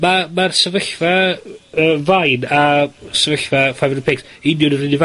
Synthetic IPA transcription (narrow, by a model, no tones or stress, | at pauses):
mamarsəvəɬvaəːvajnasəvəɬvafajvəpʰeːksɪnjʊnərɪniva